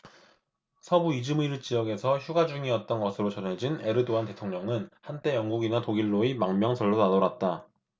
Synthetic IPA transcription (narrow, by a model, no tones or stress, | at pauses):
sʰʌbuid͡ʑɯmiɾɯɭt͡ɕ͈ijʌɡe̞sʰʌçjuɡad͡ʑuŋiʌt̚t͈ʌnɡʌsʰɯɾot͡ɕʌnɦe̞d͡ʑine̞ɾɯdoante̞tʰoŋɲʌŋɯnhant͈e̞jʌŋɡuɡinatoɡiɭːoimaŋmjʌŋsʰʌɭːonadoɾat̚t͈a